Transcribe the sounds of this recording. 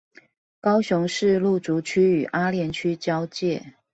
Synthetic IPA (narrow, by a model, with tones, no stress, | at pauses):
kɑ˥ʊɕʊ˧˦ŋʂɻ̩˥˧lu˥˩t͡su˨˥t͡ɕʰy˥y˨˩ʔa˥ljɛ˧˥nt͡ɕʰy˥t͡ɕjɑ˥ʊt͡ɕjɛ˥˨